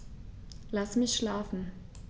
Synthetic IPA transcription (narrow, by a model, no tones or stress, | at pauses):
lasmɪçʃlaːfn̩